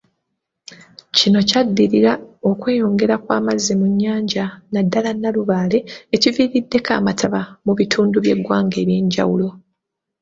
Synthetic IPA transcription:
cino̞cadːiɾiɾao̞kwe̞ːjo̞ːŋɡe̞ɾakwaːmazːemuɲːaːɲɟanadːalanːaluβaːle̞ːciviːɾidːe̞ka̰ːmatʰaβamuβitʰuːnduβje̞ɡwaːŋɡeːβjeːɲɟa̰wulo̞

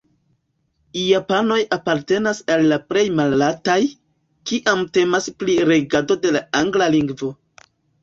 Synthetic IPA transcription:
japano̞japaɾte̞nasalːaple̞jmalːataj | kiʔamte̞maspliɾe̞ɡado̞de̞laaŋɡlaliŋɡvo̞

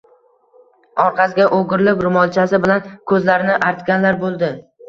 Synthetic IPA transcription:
ɒɾqʰɑsɪɡʲaʔoɡʲɪɾlɪkʲɾʊmɒlˠt͡ʃʰasɪbɪlankʰɵzlaɾɪnɪʔaɾt̪ɡʲanlaɾbolˠd̪ɪ

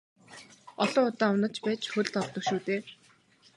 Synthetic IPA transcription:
ɔɮɔːŋʊt̪aːʊnə̆t͡ɕpæːt͡ɕxɵɮt̪ɔt̪ːɞ̆kʃuːt̪eː

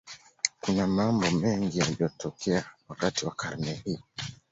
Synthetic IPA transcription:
kunamambɔmɛŋɡijaliɔtʰɔkɛawakatiwakʰaɾnɛhi

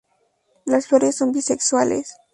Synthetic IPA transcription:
lasfoɾesːo̞mbisekswalḛs

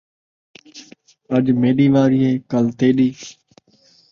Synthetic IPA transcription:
əʄmeːɗiːʋaːɾiːɦeːkəlt̪ʰeːɗiː

